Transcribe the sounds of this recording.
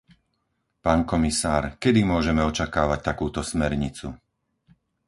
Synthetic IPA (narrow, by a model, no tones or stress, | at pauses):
paːnkɔmisaːɾkɛd̪imʊɔʒɛmɛɔt͡ʃakaːʋac̚t̪akuːt̪ɔsmɛɾɲit͡sṵ